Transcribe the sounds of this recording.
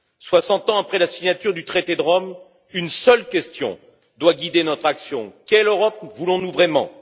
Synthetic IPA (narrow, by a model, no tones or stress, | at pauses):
swasɑ̃t̪ɑ̃apχɛlasiɲat̪yʁd̪yt̪χet̪ed̪əʁɔm | ynsœlkʲɛst̪jɔ̰̃ | d̪waɡʲid̪enɔt̪χaksjɔ̃kʲɛløʁɔp̚vulɔ̃nuvʁɛmɑ̰̃